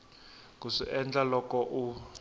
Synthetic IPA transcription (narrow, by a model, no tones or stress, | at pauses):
kuʂiʔɛnd͡ɮalɔkɔʔu